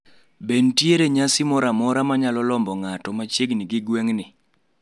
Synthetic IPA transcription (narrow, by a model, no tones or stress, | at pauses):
bentjeɾeɲasɪmɔɾamɔɾamaɲalɔlɔmbɔŋatɔmat͡ʃjeɡnɪɡɪɡweŋnɪ